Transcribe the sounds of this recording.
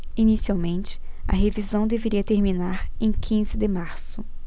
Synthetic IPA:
inisiawmẽnt͡ʃɪ̥ | ɐ̰ɦevizɐ̃w̃d̪eveɾiɐt̪eɾminaɾẽj̃kʰĩzɪd̪ɪmaɾsʊ

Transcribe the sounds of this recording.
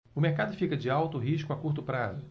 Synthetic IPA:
ʊmeɾkad̪ʊfikɐd͡ʒɪawt̪ʊɦiʃkʊakuɾt̪ʊpɾazʊ

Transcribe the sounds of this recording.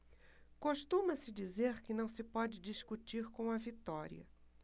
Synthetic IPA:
koʃt̪ũmɐsɪd͡ʒizeɾkɪnɐ̃w̃sɪpɔd͡ʒɪd͡ʒiʃkut͡ʃiɾkõw̃ɐvit̪ɔɾḭɐ̰

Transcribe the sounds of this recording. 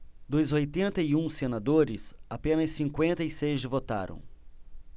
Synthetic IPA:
d̪ʊzojt̪ẽnt̪ɐiũsenad̪oɾɪsapẽnɐsːĩŋkwẽnt̪ɐisejʒɪvot̪a̰ɾɐ̰̃w̃

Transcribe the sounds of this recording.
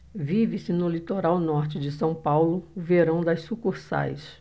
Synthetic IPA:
vivɪsɪnʊlit̪oɾawnɔɾt͡ʃɪd͡ʒɪsɐ̃w̃pawlʊveɾɐ̃w̃d̪ɐssukuɾsa̰js

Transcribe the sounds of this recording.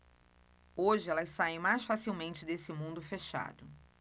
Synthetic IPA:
oʒɪɛlɐsaẽj̃majsfasiwmẽnt͡ʃɪd̪esɪmũnd̪ʊfeʃa̰d̪ʊ

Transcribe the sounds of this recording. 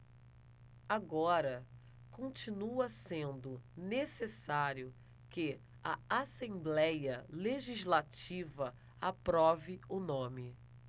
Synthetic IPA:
aɡɔɾɐ | kõnt͡ʃinuɐsẽnd̪ʊnesesaɾjʊ | kɪ | aasẽblɛjɐleʒizlat͡ʃivɐ | apɾɔvɪʊnõmɪ

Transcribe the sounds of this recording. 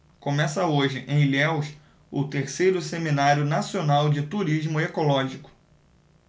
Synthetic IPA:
kõmɛsɐoʒɪʔẽj̃lɛwʃ | ʊt̪eɾsejɾʊseminaɾjʊnasionawd͡ʒɪt̪uɾiʒmʊekolɔʒikʊ̥

